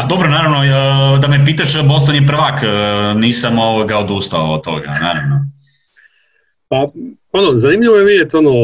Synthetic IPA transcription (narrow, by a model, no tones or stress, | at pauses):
ad̪o̞bɾonaːɾaʋnod̪amep̬iːt̪aʃbost̪oɲepr̩ʋakːniːsamoʋoɡaod̪ust̪aoo̰t̪ːo̞̰ɡa̰naːɾa̰ʋno | pa | onozanimʎiʋojemid̪et̪ono